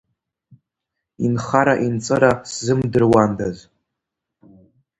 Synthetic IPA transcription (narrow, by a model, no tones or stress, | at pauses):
inχaɾaʔint͡sʼɨɾaszɨmdɨrwandaz